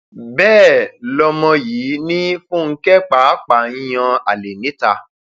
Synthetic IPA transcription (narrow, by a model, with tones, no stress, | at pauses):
bɛː˦˨lɔ˧mɔ̃˧jiː˨˦nĩ˦fũ˦ŋ̩˦kɛ˦k͡pa˨˦k͡pã˨˦j̃ɔ̃˧a̰˨le˨nĩ˨˦ta˧